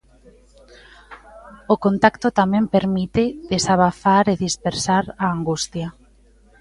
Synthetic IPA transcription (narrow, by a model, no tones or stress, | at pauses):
okont̪akt̪ot̪amɛ̃mpeɾmit̪eðesaβaθaɾeðispeɾsaɾaːŋɡust̪ja